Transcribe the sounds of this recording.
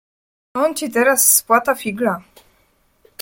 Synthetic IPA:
ɔnt͡ɕit̪ɛɾasːpwat̪afʲiɡla

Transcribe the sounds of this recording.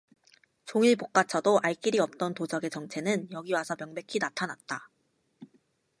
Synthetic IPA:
t͡ɕoŋiɭpok̚k͈at͡ɕʰʌdoʔaɭk͈iɾiʌp̚t͈ʌntod͡ʑʌɡe̞t͡ɕʌŋt͡ɕʰe̞nɯnjʌɡiwasʰʌmjʌŋbe̞kʰinatʰanat̚t͈a

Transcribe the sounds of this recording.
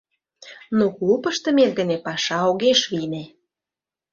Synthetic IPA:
nokupə̆ʃt̪ə̆melɡə̆nepɑʃɑoɣeʃβine

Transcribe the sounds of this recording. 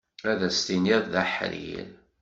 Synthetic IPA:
æðæst̪iniððæħɾḭl

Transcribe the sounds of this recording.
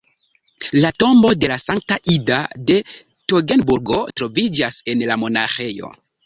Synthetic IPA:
lato̞mbo̞de̞lasaŋk̚taʔidade̞ | toɡe̞nbuɾɡo̞tɾo̞vid͡ʒase̞nlamo̞na̰xe̞jo̞̰

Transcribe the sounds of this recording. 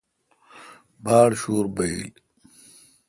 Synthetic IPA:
baːɽɕuːɾbɐil

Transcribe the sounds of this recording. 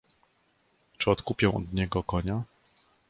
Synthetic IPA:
t͡ʂɘɔt̪kupʲjɛ̃ɔ̰d̪ɲɛɡɔkɔɲa

